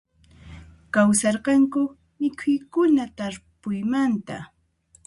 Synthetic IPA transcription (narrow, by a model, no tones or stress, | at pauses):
kawsɑɾqɑŋkʊ | mɪkʰʊjkʊnat̪aɾpʊjmant̪a